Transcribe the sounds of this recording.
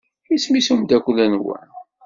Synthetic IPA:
ismisumd̪ækʷːlænwæ̰n

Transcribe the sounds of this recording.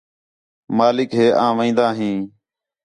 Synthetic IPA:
maːlɪkɦeːʔãːʋə̃ĩːnd̪aːɦĩː

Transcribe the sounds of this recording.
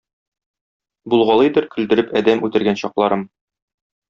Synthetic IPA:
bulˠʁɑlˠɤjd̪ɤɾkɵ̆ld̪ɘ̆ɾɘpɒd̪æmʉt̪ɘ̆ɾɡænɕɒqlˠɑɾɤm

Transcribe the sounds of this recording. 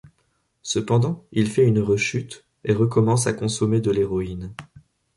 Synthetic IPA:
səpɑ̃d̪ɑ̃ilfɛynʁəʃyt̪ | eʁəkɔmɑ̃sakɔ̃sɔmed̪əleʁɔin

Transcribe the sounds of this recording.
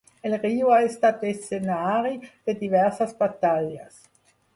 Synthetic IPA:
elriːoaest̪at̪̚d̪esenaːɾid̪̥ed̪ivɛʁsasbat̪aʎa̰s

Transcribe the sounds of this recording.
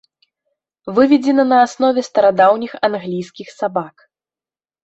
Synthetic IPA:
vɨvʲɛd͡zʲɛnɐnɐːsnɔvʲɛst̪ɐɾad̪awnʲixanɣlʲijskʲixsabak

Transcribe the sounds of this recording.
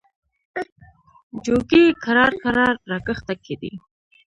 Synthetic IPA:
d͡ʒoɡikaɾɑɾkaɾɑɾːɑkəxt̪akʰed̪ḭ

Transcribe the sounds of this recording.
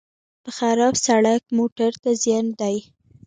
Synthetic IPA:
pəxaɾɑbsaɽak̚moʈaɾt̪azjɑnd̪aj

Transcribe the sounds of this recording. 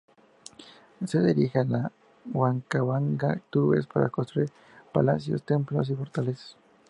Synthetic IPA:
seðeɾixala | waŋkaβaŋɡat̪uɾβḛspaɾa̰konst̪ɾuiɾ | pala̰sjo̰st̪emplos̬ifoɾt̪ales

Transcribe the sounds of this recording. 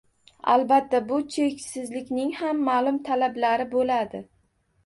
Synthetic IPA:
a̰lˠbat̪ːabʊt͡ʃʰekʲsɪzlɪkʲnɪŋhamːalˠʊmt̪ʰalablaɾɪbolad̪ɪ

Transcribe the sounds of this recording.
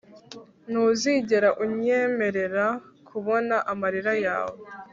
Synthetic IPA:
nuːziɟe̞ɾaʔuɲe̞me̞ɾe̞ɾakʰuβo̞naʔamaɾiɾaja̰ːwe

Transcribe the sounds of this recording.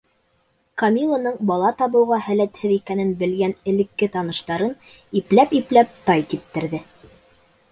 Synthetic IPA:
kɐmʲilˠonɤɴbɑlˠɑt̪ɑβɤ̆wʁɑhælæt̪hɘðikænɘnbɘ̆lɡænɘ̆lɘ̆kːɘt̪ɑnɤ̆ʃt̪ɑɾɤn | iplæpiplæp̚t̪ɑjt̪ip̚t̪ɘ̆ɾðɘ

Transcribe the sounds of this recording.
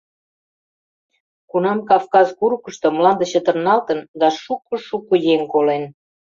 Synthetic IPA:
kunɑmkɑfkɑzkuɾukəʃt̪ŏmlɑnd̪ə̆ɕət̪ə̆rnɑlt̪ə̆nd̪ɑʃukoʃukojeŋkolen

